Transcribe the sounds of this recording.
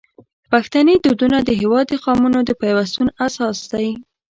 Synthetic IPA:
paxt̪aned̪ud̪unad̪əɦɪwɑd̪əxɑmunod̪əpajwast̪unasɑsd̪aj

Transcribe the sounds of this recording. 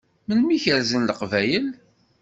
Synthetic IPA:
mənmiçəɾzənləqvæjəl

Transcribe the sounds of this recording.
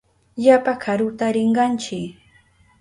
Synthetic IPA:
ʎapakʰaɾʊt̪aɾɪɴɢɑnt͡ʃɪk

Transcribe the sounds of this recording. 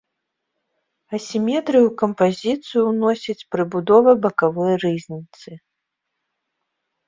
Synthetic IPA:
ɐsʲimʲɛt̪ɾɨjukɐmpazʲit̪sɨjunɔsʲɐt͡sʲpɾɨbud̪ɔvɐbɐkavɔjrɨzʲnʲit̪sɨ

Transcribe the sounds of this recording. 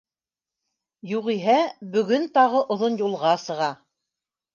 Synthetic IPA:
juʁiɦæbɵ̆ɡɵnt̪ɑʁɤʔŏðonjulˠʁɑsɤ̆ʁɑ

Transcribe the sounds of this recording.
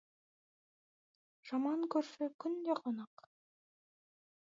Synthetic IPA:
ʒ̥ɑmɑŋkʰɵɾfɪkʰʲʏnd̪eqʰonɑq

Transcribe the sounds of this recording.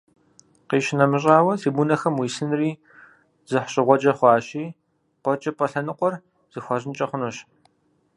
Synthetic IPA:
qiːʃɪnɐmɨɕ̬ʼaːwɐsiːbunɐxɐmwiːsɨnriː | z̥ɨħɕʼɪʁʷɔd͡ʒɐχʷɑːɕiː | qʷɔt͡ʃʼɐpʼɐɬɐnɨqʷʼɔr | z̥ɨxʷɑʑɪnt͡ʃʼɐχʷʊnoɕ

